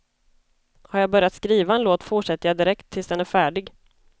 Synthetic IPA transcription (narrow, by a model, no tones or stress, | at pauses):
haɾjabœɾjat̪skɾiːvaɛnloːt̪fʊʂɛt̪ːəjad̪ɪɾɛkt̪ʰːɪlsd̪ɛnæɾfæːɖɪɡ